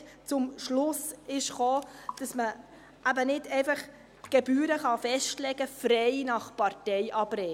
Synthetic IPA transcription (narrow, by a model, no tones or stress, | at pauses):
t͡sʊmʃlʊsɪʃχoːd̥ɑsmə | ʔæbənɪdɛɪfɑχ | ɡ̥ɛbyːɾəχɑfɛʃtlɛɡ̥əfɾɛɪnɑχpɑɾtɛɪʔɑb̥ɾɛ